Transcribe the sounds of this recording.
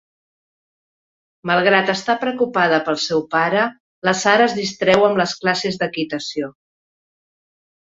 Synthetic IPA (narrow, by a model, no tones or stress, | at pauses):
məlˠɣ̞ɾat̪əst̪apɾəkupað̞əpəlˠsɛwpaɾə | ləsaɾəːzðist̪ɾɛwəmləsklasezðəkit̪əsio